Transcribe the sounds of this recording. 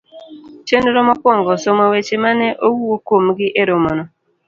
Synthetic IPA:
t͡ʃenoɾɔmɔkwɔŋɡɔsomowet͡ʃemanɛʔowuokomɡɪʔeɾomɔnɔ

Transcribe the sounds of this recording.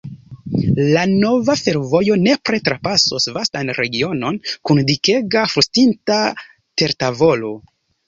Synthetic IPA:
lano̞vafe̞ɾvo̞jo̞ne̞pɾe̞tɾapasosvastanɾʔe̞ɡio̞no̞nkundike̞ɡafustinta | te̞ɾtavo̞lo̞

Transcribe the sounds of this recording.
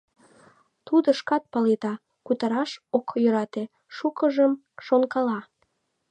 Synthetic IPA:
t̪ud̪əʃkɑt̪̚pɑlet̪ɑ | kut̪ɑɾɑʃokjøɾɑt̪e | ʃukəʒəm | ʃonkɑlɑ

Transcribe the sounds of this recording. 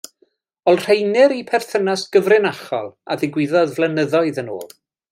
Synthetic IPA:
ɔlˠr̥ejnɪɾipʰɛrθənasɡ̥əvrɨnaχɔ̰lˠa̰ðɪɡwɪðɔðvlˠɛnəðɔɨðəno̰ːlˠ

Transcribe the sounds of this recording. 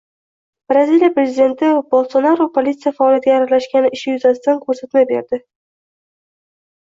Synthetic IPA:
b̥ɾazilijapɾe̞zʲɪd̪e̞nt̪ʰɪbolˠsonaɾopʰolʲit̪sɨjafaːljat̪̚ʲɡʲaːɾalaʃkʲanɪʔɪʃɪjʊzasɪt̪ankʰɵɾsat̪mabe̞̰ɾd̪ɪ

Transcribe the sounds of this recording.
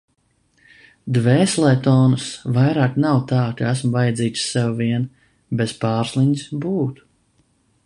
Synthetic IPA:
d̪vɛːslˠɛjt̪ɔːnusvajɾaːknawt̪aːkaæsmvajad̪ziːt̪ʲsɛwviɛn | bespaːɾsliɲisbuːt̪u̥

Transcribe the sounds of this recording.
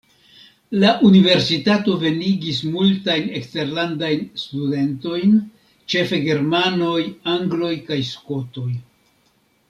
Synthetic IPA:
laʔunive̞ɾsitato̞ve̞niɡismultajne̞kste̞ɾlandajnstude̞nto̞jn | t͡ʃe̞fe̞ɡe̞ɾmano̞jaŋɡlo̞jkajsko̞to̞j

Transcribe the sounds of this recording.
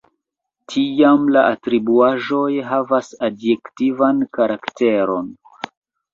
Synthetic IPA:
tʰiamlaʔatɾibuaʒo̞jɦavasadjektivankaɾakte̞ɾo̞n

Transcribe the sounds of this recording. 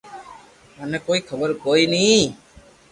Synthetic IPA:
manɛkoːikʰəbəɾkoːiniː

